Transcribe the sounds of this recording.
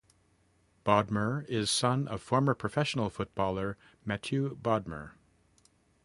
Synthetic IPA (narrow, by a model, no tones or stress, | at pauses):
b̥ɑd̚mə˞ɪz̥sʌ̃nʌ̰v̥fɔɹmə˞pʰɹ̥ɨfɛʃn̩l̩ˠfʊt̚b̥ɔlˠə˞ | mæt͡ʃʰʉbɑd̚mə̰˞